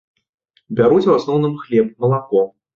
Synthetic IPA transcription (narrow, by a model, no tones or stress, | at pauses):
bʲaɾut͡sʲwasnɔwnɨmxlʲɛp̚mɐlˠakɔ